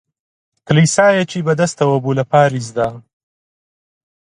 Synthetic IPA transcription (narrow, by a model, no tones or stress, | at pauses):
klisaːjɐt͡ʃiːbɐd̪ɐst̪ɐwɐbulɐpaːɾizd̪a